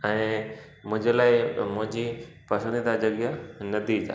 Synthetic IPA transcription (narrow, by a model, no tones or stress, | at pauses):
ɛ̃ː | mʊ̃ɦɪ̃ɲd͡ʑelaːɪmʊ̃ɦɪ̃ɲd͡ʑiː | pɐsə̃nd̪id̪ad͡ʑɐɡjanɐd̪ʱit̪a̰